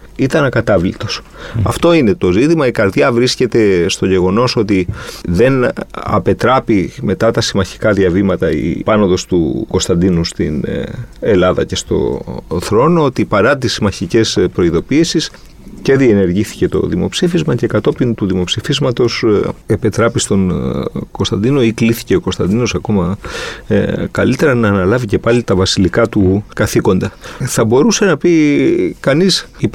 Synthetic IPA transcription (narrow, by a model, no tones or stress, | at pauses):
it̪ɐnɐkɐt̪ɐvlit̪o̞s | ɐft̪o̞ine̞t̪o̞zit̪imɐikɐɾðʝɐvɾisce̞t̪e̞st̪o̞ʝe̞ɣo̞no̞so̞t̪iðe̞nɐ̰pe̞t̪ɾɐpime̞t̪ɐt̪ɐsimɐçi̥kɐðiɐvimɐt̪ɐḭpɐnoðo̞st̪ṵko̞st̪ɐnd̪inust̪ine̞lɐðɐ̰ce̞st̪o̞̰θɾo̞no̞ot̪ipɐɾɐt̪isimɐçice̞spɾo̞iðo̞piːsis | ce̞ðie̞ne̞ɾʝiθi̥ce̞t̪o̞̰ðimo̞̰psifizmɐce̞kɐt̪o̞pint̪uðimo̞psifizmɐt̪o̞sepit̪ɾɐpist̪o̞nko̞st̪ɐnd̪ino̞ikliθi̥ce̞o̞ko̞st̪ɐ̰nd̪ino̞sɐko̞mɐ | kɐlit̪e̞ɾɐnɐːnɐlɐvice̞pɐlit̪ɐvɐsilikɐt̪ukɐθiko̞nd̪ɐθɐbo̞ɾuse̞nɐpikɐnisi